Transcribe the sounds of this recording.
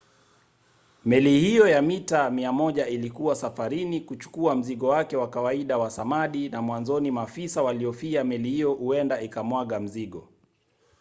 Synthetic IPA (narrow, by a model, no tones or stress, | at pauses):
mɛlihijɔjamitamiamɔʄailikuwasafaɾinikut͡ʃu̥kuam̩ziɠɔwakɛwakawaiɗawasamaɗinamwanzɔnimafisawaliɔfiamɛlihijɔhuɛndaikamwaɠam̩ziɠɔ